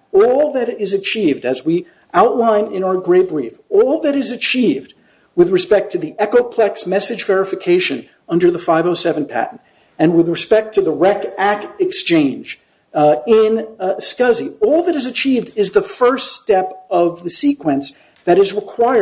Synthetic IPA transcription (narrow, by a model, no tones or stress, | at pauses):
ɔlˠðɨɾɪzɨt͡ʃʰivdɨzwi | ʔaʊʔˡlãɪ̃nɪ̃ñaʊə˞ɡɹeɪbɹifɔlˠðɨɾɨzɨt͡ʃʰivd̚ | wɨðɹɨspɛk̚tʰɨðiʔɛkoʊpʰl̥ɛksmɛsɨd͡ʒvɛɹɨfɨkʰeɪʃɨ̃n | ʌ̃ndə˞ðəfaɪvoʊsɛṽn̩pʰæ̰ʔn̩t | ɨ̃nwɨðɹɨspɛk̚tʰɨðəɹɛkæk̚tɨkst͡ʃʰẽɪ̃nd͡ʒ | ɪ̃nskʌziɔlˠðɨɾɨzɨt͡ʃʰivdɪzðəfɜ˞ststɛpʌvðɨsikwɨ̃ns | ðɨɾɨzɹɨkʰw̥aɪə